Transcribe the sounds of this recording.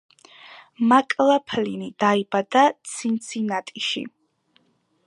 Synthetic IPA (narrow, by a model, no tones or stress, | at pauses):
makʼlapʰlinid̪̥aibad̪at̪sʰint̪sʰinat̪ʼiʃḭ